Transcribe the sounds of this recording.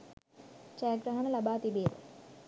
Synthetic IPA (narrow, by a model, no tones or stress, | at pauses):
t͡ʃaːɡɾɐɦɐɳɐlɐbaːt̪ibeːd̪ə̰